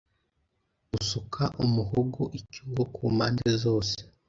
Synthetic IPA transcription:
usukʰaʔumuhoɡoʔicuɡokʰuːmaːndezoːse̥

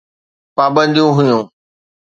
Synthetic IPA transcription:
paːbə̃nd̪ijũɦʊjũː

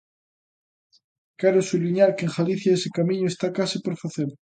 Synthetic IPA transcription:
kɛɾosuβliɲaɾkeŋxaliθjaesɪkamĩɲoest̪akasipoɾfaθeɾ

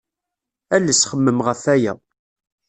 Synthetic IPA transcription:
ælːəsχəmːəmʁəfæjæ̰

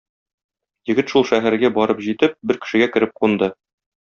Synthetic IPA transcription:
jɘ̆ɡɘt̪ʃulˠʃæɦæɾɡæbɒɾɤpʑit̪ɘp̚bɘɾkɘ̆ʃɘ̆ɡækɘ̆ɾɘp̚qund̪ɤ

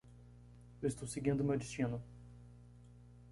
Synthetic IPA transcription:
ewɪst̪owseɡĩnd̪ʊmewd͡ʒist͡ʃĩnʊ

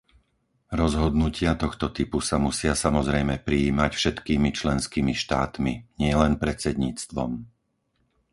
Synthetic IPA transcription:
ɾɔzɦɔd̪nucɪat̪ɔxt̪ɔt̪ipusamusɪasamɔzɾɛjmɛpɾiːmacfʃɛt̪kiːmit͡ʃlɛnskiːmiʃt̪a̰ːt̪miɲɪɛlɛnpɾɛt͡sɛd̪ɲiːt͡st̪ʋɔ̰m

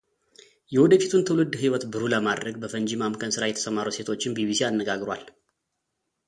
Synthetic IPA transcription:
jɛwɔd̪əfit̪ʰunt̪ʰɨwlɨd̪ːhiwɔt̪bɨɾuləmad̪ɾəɡ̚bəfənd͡ʒimamkʰʼənsɨɾajɛt̪ʰə̥səmaɾuse̞t̪ʰo̞t͡ʃːɪnbibisianːəɡaɡɾwa̰l

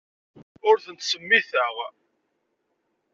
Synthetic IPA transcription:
ʊɾθənt̪səmːiθəʁ

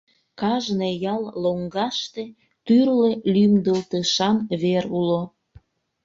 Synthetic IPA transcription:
kɑʒnejɑlloŋɡɑʃt̪e | t̪yrlelymd̪əlt̪əʃɑmβeɾulo

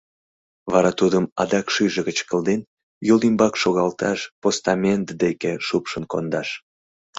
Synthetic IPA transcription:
βɑɾɑt̪ud̪əmɑ̰d̪ɑkʃyʒəɣət͡ɕkəlˠd̪en | jolimbɑkʃoɣɑlt̪ɑʃpost̪ɑmʲent̪d̪ekeʃupʃənkond̪ɑʃ

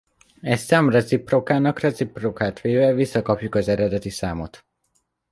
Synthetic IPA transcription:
ɛssamrɛsipːrokaːnɒkrɛt̪zipːrokaːt̪ʋeːvɛvisːɒkɒpjukɒzɛɾɛd̪ɛt̪isaːmo̞t̪

